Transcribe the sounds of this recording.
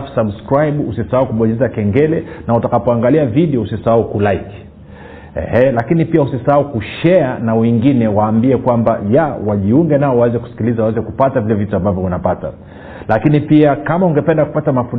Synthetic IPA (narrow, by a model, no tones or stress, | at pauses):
fsabskɾajɓusisahaukuɓɔɲizakɛŋɡɛlɛnautakapɔaŋɡaliaviɗiɔusisaaukulaiki̥ | ɛ̰hɛlakinipiausisaaukuʃɛanawɛŋɡinɛwaːmbiɛkwambajawaʄiuŋɡɛnaɔwawɛzɛku̥si̥kilizawawɛzɛkupatavilɛvituambavjɔunapata̰ | lakinipiakamauŋɡɛpɛndaku̥patamafu